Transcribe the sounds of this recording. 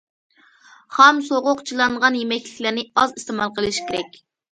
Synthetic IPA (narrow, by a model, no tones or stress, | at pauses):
χɑmsoʁʊqt͡ʃʰilˠɑɴʁɑnjemɛkʲlɪkʲlæɾnɪɑzist̪emɑlˠqʰəlˠɨʃkʲeɾɛkʲ